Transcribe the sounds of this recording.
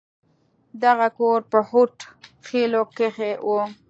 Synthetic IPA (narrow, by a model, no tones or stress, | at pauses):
d̪aɣakoɾpəhuʈxilokexewʔo